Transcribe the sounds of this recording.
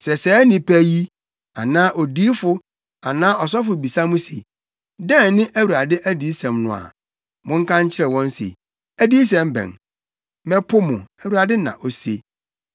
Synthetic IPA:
sɛ˨sɛː˨˦nĩ˨pʰæ˦ji˦ | a˨nãː˦ʔɔ˨di˦fʊ˦ | a˨nãː˦ʔɔ˨s̬ɔ˦fʊ˨bi˨sa˦mʊ̃˦sḛ˨ | dɛ̃˦˨nnɪ̃˦ʔæ˦wu˨ɾa˨dɪ˦ʔæ˦di˨˦sɛ̃˨mnʊ̰̃˨a̰˨ | mʊ̃˦ŋ̩˦kʰã˦ɲ˦t͡ɕʰɪ˦ɾɛ˨wɔ̃˦n˦sḛ˨ | æ˦di˦s̬ɛ̃˨m˦bɛ̰̃˨n | mɛ̃˦pʰʊ˦mʊ̃˨æ˨wu˨ɾa˨dɪ˦nã̰˨ʔo˨se˦

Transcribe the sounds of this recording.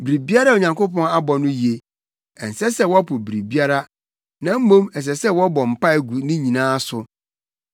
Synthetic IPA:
bi˨ɾi˨bi˦a˦ɾa˦˨o˨ɲã˨ŋko˦pɔ̃˦ŋa˦bɔ˨nʊ̃˦ji˨e˨ | ɛ˨n̩˨sɛ˦sɛ˦wɔ˦pʰʊ˨bi˨ɾi˨bi˦a˦ɾa˦ | nã˦m̩˦mõ˦mɛ˨s̬ɛ˨sɛ˦wɔ˦bɔ˨m̩˨pa˦˨ɡu˨nɪ̃˦ɲĩ˨nãː˦sʊ˨

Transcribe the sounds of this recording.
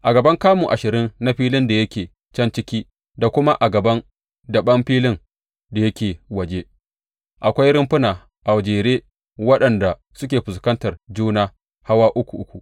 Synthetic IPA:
ʔa˨ɡɐ˨bɐ˦ŋkaː˦mu˨ʔa˨ʃɪ˨ɾɪ˦nːa˦ɸiː˦lɪ˦nda˨jɐ˦kʲeː˨ | t͡ʃɐ˦nt͡ʃɪ˦kʲiː˦ | da˨kʷʊ˦ma˦ʔa˨ɡɐ˨bɐ˦n | dɐ˨ɓɐ˦mɸiː˦lɪ˦n | da˨jɐ˦kʲeː˨wɐ˨d͡ʒe˦ | ʔa˨kʷa˦jɾɪ˦mɸɪ˦naː˨ | ʔa˨wd͡ʒeː˨ɾeː˦ | wɐ˦ɗɐ˨nda˨ | sʊ˦kʲeː˨ɸʊ˨s̬kɐ˦ntɐ˨rd͡ʒuː˦naː˦ | ha˦waː˦ʔʊ˦kʷu˨ʔʊ˦kʷu˨ʔ

